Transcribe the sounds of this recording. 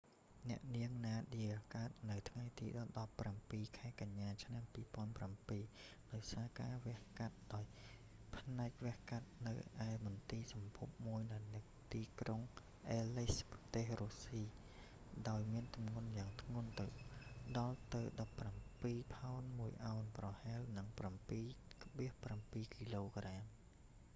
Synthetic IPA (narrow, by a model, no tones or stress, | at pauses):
nɛ̆əʔniəŋnaːɗiəkaət̪̚nɨwt̪ʰŋajt̪ḭːɗɑlɗɑpːrampiːkʰaɛkaɲːaːt͡ɕʰnampiːpŏənprampiːɗaɔjsaːkaːʋɛ̆əhkat̪̚ɗaɔj | pʰnaɛk̚ʋɛ̆əhkat̪̚nɨwʔaɛmʊnt̪iːsɑmpʰup̚muəjnɨnɨŋt̪iːkroŋ | ʔeːlisprɑt̪eːhruːsiː | ɗaɔjmiənt̪umŋŭənjaːŋt̪ʰŋʊ̆ənt̪ɨwɗɑlt̪ɨwɗɑpːrampiːpʰaɔnmuəjʔaɔnprɑhaɛlnɨŋprampiːkəɓiəhprampiːkiːloːkraːm